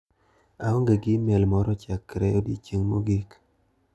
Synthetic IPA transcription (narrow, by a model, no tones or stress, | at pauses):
aɔŋɡeɡimɛlmɔɾɔt͡ʃakːɾɛodit͡ʃiŋmoɡik